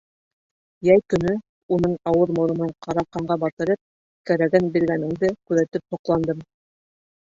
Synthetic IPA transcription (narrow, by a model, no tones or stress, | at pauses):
jæjkɵ̆nɵ | unɤɴɑwɤðmŏɾɤ̆nɤɴqʰɑɾɑqɑɴɢɑbɑt̪ɤ̆ɾɤp̚ | kæɾæɡænbiɾɡænɘ̆ŋd̪ɘkʉðæt̪ɘp̚hŏqlˠɑnd̪ɤm